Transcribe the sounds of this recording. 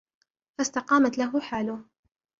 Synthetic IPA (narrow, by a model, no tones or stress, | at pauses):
fast̪ɑqɑːmat̪laɦʊħaːlʊh